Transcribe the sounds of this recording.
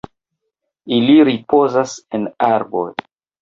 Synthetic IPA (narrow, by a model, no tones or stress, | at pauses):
iliɾipo̞zasenaɾbo̰j